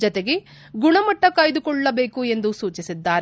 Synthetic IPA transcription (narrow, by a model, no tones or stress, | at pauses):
d͡ʒɔt̪eɡe̞ | ɡuɳɐmɐʈːɐkaːjd̪ukɔɭːɐbe̞ːkue̞nd̪usuːt͡ʃisid̪ːaːɾ